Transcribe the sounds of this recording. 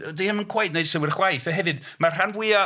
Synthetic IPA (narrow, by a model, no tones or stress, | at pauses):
dejhəmənkʰw̥ajtnejd̥sɪwɪɾəχwajθəɦɛvɨd | marranvwɪa